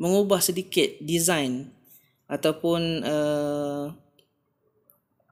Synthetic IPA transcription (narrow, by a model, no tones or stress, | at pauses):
məŋubahsədikɪt̪̚dizajn | ʔat̪awpʊnə